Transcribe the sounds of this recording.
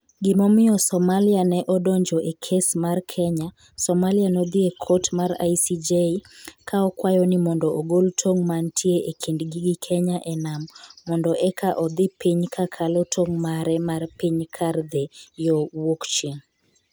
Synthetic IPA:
ɡɪmɔmɪɔsɔmalɪanɛʔɔdoɲd͡ʒɔʔekʰesmarkʰɛɲa | sɔmalɪanɔd̪ɪekʰɔtmaɾa̰jsid͡ʒeikʰaɔkwajɔnɪmɔndɔoɡoltʰoŋmantʰjeʔekʰindɡiɡɪkʰɛɲaʔɛnamːɔndɔʔɛkʰaʔɔd̪ɪpiɲkʰakʰalɔtʰoŋmaɾɛmarpiɲkʰard̪ɛjɔwokt͡ʃiŋ

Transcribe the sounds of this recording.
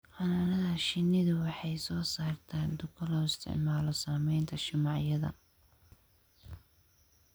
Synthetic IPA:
ʔɑnaːnɐðɐʃɪnɪðʊwɑħɑjsɔːsaːrt̪ʰaːd̪ʊkʰɐlɔːɪst̪ʰɪ̰ʕmaːlɔsaːmɛjnt̪ʰɐʃɪmɑʕjɐðɐ̰

